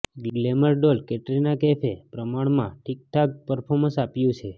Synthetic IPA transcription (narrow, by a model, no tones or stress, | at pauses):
ɡɡleməɾɖolkɛʈɾinakɛpʰepɾəmaɳmãʈʰik̚ʈʰak̚pəɾpʰoɾmə̃sapjũt͡ʃʰe